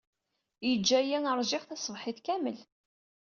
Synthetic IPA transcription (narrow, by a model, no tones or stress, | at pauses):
jəd͡ʒːæjiŋəɾˤʒɪʁθæsˤəvħɪθkæməl